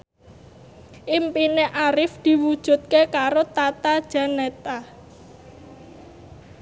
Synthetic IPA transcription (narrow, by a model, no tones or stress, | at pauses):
ʔimpineʔaɾɪfd̪̥i̤wud̥ʒ̥ṳt̪̚kekaɾot̪at̪ad̥ʒ̥a̤nɛt̪a